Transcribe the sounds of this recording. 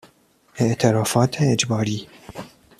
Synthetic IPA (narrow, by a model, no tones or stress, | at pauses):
ʔɛʔt̪ʰɛɾɑːfɑːt̪ʰɛːd͡ʒbɑːɾiː